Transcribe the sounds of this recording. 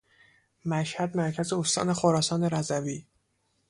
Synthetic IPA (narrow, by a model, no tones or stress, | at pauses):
mæʃhæd̪mæɾcʰæze̞ost̪ɒ̰ːne̞xoɾɒːsɒːne̞ɾæzæviː